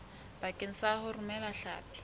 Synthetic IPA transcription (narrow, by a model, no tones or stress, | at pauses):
b̥akʼen̩sahʊrumɛlaɬa̰ːpʼi̥